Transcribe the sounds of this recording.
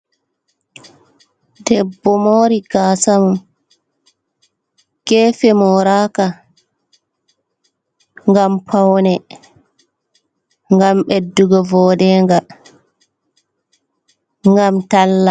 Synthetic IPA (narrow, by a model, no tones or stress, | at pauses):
dɛbːɔmoːɾiɡaːsamu | kɛːfɛmɔɾaːka | ŋɡampʰawnɛ | ŋɡamɓɛdːuɡɔvɔːdɛŋɡa | ŋɡamtalːa